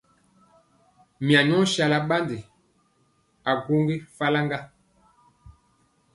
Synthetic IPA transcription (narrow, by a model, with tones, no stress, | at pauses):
mi˨a˨ɲɔ˦ʃa˨la˦ɓa˦ndi˨ | a˨ɡu˦ŋɡe˦fa˦la˦ŋɡa˦